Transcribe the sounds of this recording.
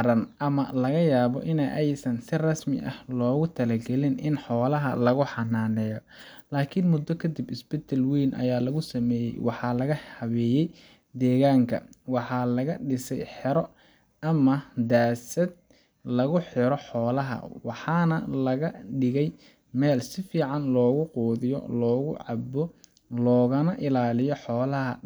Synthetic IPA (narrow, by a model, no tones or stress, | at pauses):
ɾɐnʔɐmɐlɐɣɐjaːβɔ̰ʔɪnɛjʔɛjsɐnsɪrɐsmɪ̰ʔɐ̰hlɔːɣʊt̪ʰɐlɐɡɛlɪnʔɪnħɔːlɐɦɐ̰lɐɣʊħɑnaːnɛːjɔ | laːkʰɪnmʊd̪ːɔkʰɐd̪ɪbɪsbɛt̪ʰɐlwiːnʔɐ̰jaːlɐɣʊsɐmɛːjɛ̰jwɑħɑːlɐɣɐhɐβɛːjɛj | d̪ɛːɣaːŋkʰɐ̰wɑħɑːlɐɣɐɖɪsɛjħɪɾɔ | ɐmɐd̪aːsɐd̪̚ | lɐɣʊħɪɾɔħɔːlɐɦɐ̰wɑħɑːnɐlɐɣɐɖɪɣɛj | mɛːlsɪfiːʕɑnlɔːɣʊqɔːðɪjɔ̰lɔːɣʊ̰ʕɑbɔ | lɔːɣɐnɐʔɪlaːlɪjɔħɔːlɐɦɐ̰